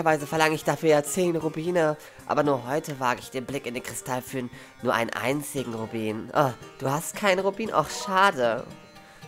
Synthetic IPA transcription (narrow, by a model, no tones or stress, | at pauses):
ɪçɐvaɪzəfɛɐlaŋəɪçd̥afyːɐjaːt͡seːnʁubiːnə | ʔa̰ːbɐnuːɐɦɔʏtʰəvaːɡəɪçd̥eːnblɪkɪndeːnkʁ̥ɪstʰalfyːʁənː | uːɐʔa̰ɪnənʔa̰ɪnt͡sɪɡŋ̩ʁubiːnʔad̥uːhastkʰaɪnəʁubiːnʔa̰ʊxʃaːdə